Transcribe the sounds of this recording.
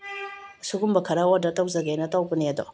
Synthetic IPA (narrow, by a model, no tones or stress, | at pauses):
suɡumbɐkʰɐɾaodatawzɐɡenɐtawbənedɔ